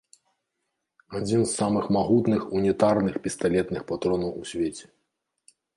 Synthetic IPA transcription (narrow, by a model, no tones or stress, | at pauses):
ad͡zʲinsːamɨxmaɣut̪nɨxunʲɛt̪arnɨxpʲɛst̪alʲɛt̪nɨxpat̪ɾɔnɐwusʲvʲet͡sʲɛ̥